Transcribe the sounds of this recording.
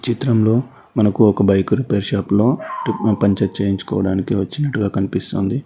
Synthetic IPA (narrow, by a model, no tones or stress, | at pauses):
t͡ʃit̪ɾɐmlo̞ː | mɐnɐkuɔkɐbɐjkuɾipeːɾʃaːplo̞ːpɐɲt͡ʃɐt͡ʃeːjiɲt͡ʃu̥kɔ̰ːʋɐɽaːnikiʋɐt͡ʃːinɐʈːuɡaːkɐnipist̪oːnd̪i